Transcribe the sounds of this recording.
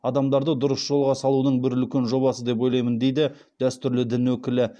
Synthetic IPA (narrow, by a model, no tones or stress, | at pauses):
ɑd̪ɑmd̪ɑɾd̪əd̪ʊɾəsʒ̥o̞lˠʁɑsɑlˠunəɴbɪɾʏlkʲenʒo̞βɑsəd̪e̞p̬o̞jlˠɑjmənd̪e̞jd̪ɪ | d̪̥æst̪ʏɾlɪd̪ɪnwɵkʲɪlɪ